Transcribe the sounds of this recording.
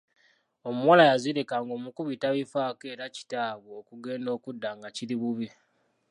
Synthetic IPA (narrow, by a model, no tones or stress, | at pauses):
o̞muwalajaziɾekaŋɡoːmukuβitaβifaːke̞ːɾaci̥taːβwookuɡe̞ːndo̞ːkudːaːŋɡaciɾiβuβi